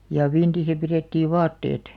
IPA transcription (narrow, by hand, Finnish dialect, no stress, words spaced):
jɑ ʋintisæ pireˑtːiːʋ̆ ʋɑːtːeːt